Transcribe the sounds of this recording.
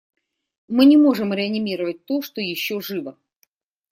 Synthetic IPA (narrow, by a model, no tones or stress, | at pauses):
mɨnʲɪmoʐɨmɾʲɪɐnʲimʲiɾəvət̚ʲt̪oʂt̪ojɪɕːoʐɨvə